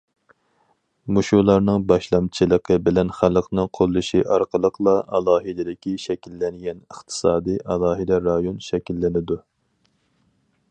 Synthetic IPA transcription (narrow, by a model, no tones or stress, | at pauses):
muʃulˠɑɾnɨŋbɑʃlˠɑmt͡ʃʰɨlˠəqʰəbɪlɛnχælˠəqnɨŋqʰolˠːɨʃiʔɑɾqʰəlˠəqʰlˠɑʔɑlˠɑːɦɨd̪ɪd̪ɪkʲʰiʃɛkʲilːɛnɡʲɛnəχt̪ʰɨ̥sɑːd̪ɨʔɑlˠɑːɦɨd̪ɛɾɑjonʃɛkʲilːɪnɪd̪u